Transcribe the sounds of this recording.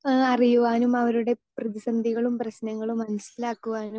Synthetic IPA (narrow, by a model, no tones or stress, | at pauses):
ɐrijuʋaːnumɐʋɐɾuɽe̞prɐðisɐnd̪ʱiɣɐɭumprɐɕnɐŋːɐɭumːɐnɐsilaːkːuʋaːnum